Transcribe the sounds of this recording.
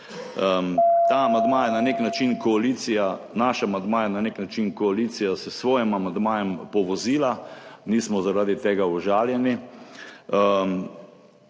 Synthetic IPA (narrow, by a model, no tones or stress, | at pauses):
t̪aːmand̪maːjananeknat͡ʃinkɔaliːt̪sijanaːʃaːmand̪maːjananeknat͡ʃinkɔaliːt̪sijasɛsʋɔːjɛmamand̪maːjɛmpɔʋɔziːlaniːsmɔzaɾaːd̪it̪eːɡaɔʒaːljɛni